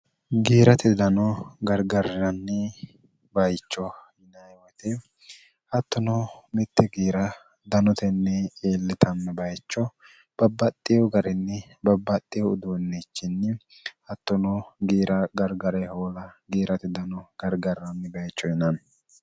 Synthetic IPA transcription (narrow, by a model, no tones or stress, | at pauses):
ɡiːɾɐt̪ɪd̪ɐnɔɡɐɾɡɐrɐnːɪ | bɐjt͡ʃːɔhɪnɐjwɔt̪ɛ | hɐt̪ːɔnɔmɪt̪ːɛɡiːɾɐ | d̪ɐnɔt̪ɛnːɛeːlːɪt̪ʰɐmːɛbɐjt͡ʃːɔ | b̥ɐbːɐt̪ʼːɪjɔɡɐɾɛnːɛ | bɐbːɐt̪ʼːɪjɔʊd̪oːnːɛt͡ʃːɪnːɪ | hɐt̪ːɔnɔɡiːɾʔɐɡɐɾɡɐɾɛhoːlɐɡiːɾɐt̪ɪd̪ɐnɔɡ̥ɐɾɡɐrːɐnːɪbɐjt͡ʃːɔhɪnɐn